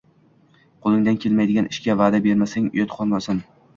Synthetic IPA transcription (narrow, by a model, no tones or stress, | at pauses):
qʰolˠɪŋd̪ankʲʰe̞lmajd̪ɪɡʲanɪʃkʲavaːd̪abe̞ɾmasaŋʊ̰jɒt̪qʰɒlˠmasan